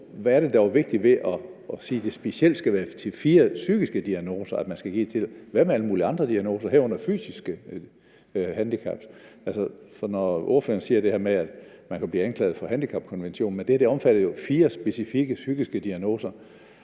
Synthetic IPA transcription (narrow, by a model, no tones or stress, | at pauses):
ʋææɐɾ̥e̝d̥ɑoʋe̝ɡ̥̚d̥iʋe̝ʔɒsiːd̥e̝sb̥e̝siel̰d̥sɡ̥æʋæːɐt͡sʰe̝lfiːɐsyɡ̥isɡ̥əd̥iæno̝̰ːsɐæd̥mænsɡ̥æɡ̥ḭːt͡sʰe̝lʋæmeæləmuːliɑ̈nd̥ʁɐd̥iæno̝ːsɐɦæɐɔ̽n̰ɐfy̰ːsisɡ̥ə | hænd̥ikʰɑ̰b̥ʔælsəsɒnɒʔo̝ɐfø̰ːɐn̩siːɐd̥e̝heɐmeæd̥mænkʰæb̥liːænkʰlɛ̰ːð̩ˠfɒ̽ɦænd̥ikʰɑ̈b̥̚kʰɒnʋenɕo̝̰ːn̩mend̥eæɐd̥e̝ɒ̽mfæɾ̥ð̩ˠjo̝fiːɐsb̥e̝sifiɡ̥əsyɡ̥isɡ̥əd̥iæno̝̰ːsɐ